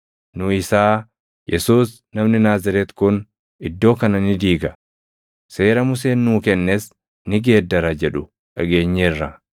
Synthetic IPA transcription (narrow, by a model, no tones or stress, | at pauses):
nʊɪsaː | jʔɛsuːs | nɐmnɪnaːzɐɾɛt̪kʊn | ɪd̪ːo̞ːkɐnɐnɪd̪iːɡɐ | se̞ːɾɐmʊs̬eːnːuːkɛnːes | nɪɡe̞ːd̪ːɐɾɐd͡ʒɛᶑʊ | ʔɐɡe̞ːɲːɐɪrːɐ